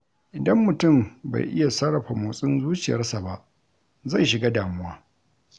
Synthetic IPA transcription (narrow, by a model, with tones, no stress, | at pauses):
ʔɪ˨dɐ˦mːʊ˨tʊ˦˨mba̰˨jʔɪ˦ja˨sɐ˦ɾɐ˨ɸa˨moː˨sʼɪ˦nzuː˦t͡ʃɪ˨jɐ̰˦sa˨ba˦ʔ | za˦˨jʃɪ˨ɡa˦daː˨mʊ˦waː˦